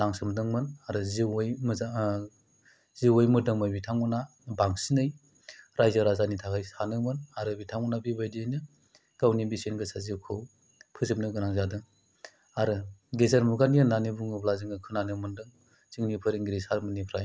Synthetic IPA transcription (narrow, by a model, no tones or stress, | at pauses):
naŋsɯmdɯŋmɯnaɾɯziwjm | ziwɯjmɯdɯŋmajbitʰaŋɯna | baŋsinɯj | ɾajzaɾazanitʰakʰajsanɯmɯnaɾɯbitʰaŋunabibajdienɯ | ɡ̥awnibisenɡɯsazikʰɯw | pʰɯzip̚nɯɡɯnaŋzadɯŋ | aɾɯɡezaɾmuɡaniɯnanibuŋɯblaziŋɡɯkʰɯnanɯmɯndɯŋ | ziŋnipʰɯɾiŋɡɾisaɾmɯnipʰɾaj